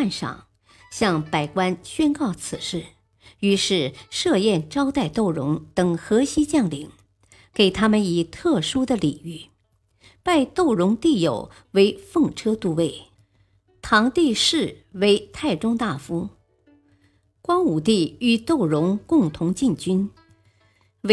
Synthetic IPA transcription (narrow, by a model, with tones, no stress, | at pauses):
nʂɑ̰˨˩ŋ | ɕjɑ˥˩ŋpa˨˩ɪkwa˥nɕɥɛ˥nkɑ˥˩ʊt͡sʰɹ̩˨˩ʂɻ̩˥˩ | y˧˥ʂɻ̩˥˧ʂɤ˥˧jɛ˥˩nʈ͡ʂɑ˥ʊt̪a˥˧ɪt̪o˥˩ʊɻʊ˧˥ŋt̪ɤ˨˩ŋxɤ˧˥ɕi˥t͡ɕjɑ˥˩ŋli˨˩˦ŋ | ke˨˩ɪt̪ʰa˥mə˨ni˨˩t̪ʰɤ˥˩ʂu˥d̪ə˨li˨˩y˥˩ | pa˥˧ɪt̪o˥˩ʊɻʊ˧˥ŋt̪i˥˩jo̰˨˩ʊ | we˧˥ɪfɤ˥˧ŋʈ͡ʂʰɤ˥t̪u˥˧we˥˩ɪ | t̪ʰɑ˧˥ŋt̪i˥˧ʂɻ̩˥˩we˧˥ɪt̪ʰa˥˩ɪʈ͡ʂʊ˥ŋt̪a˥˩fu˥ | kwɑ˥ŋu˨˩t̪i˥˩y˨˩t̪o˥˩ʊɻʊ˧˥ŋkʊ˥˩ŋt̪ʰʊ˧˥ŋt͡ɕi˥˧nt͡ɕy˥n